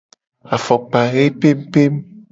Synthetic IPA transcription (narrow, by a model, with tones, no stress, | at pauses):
a˨fɔ˨k͡pa˨ɣe˦pe˦m˦pe˦m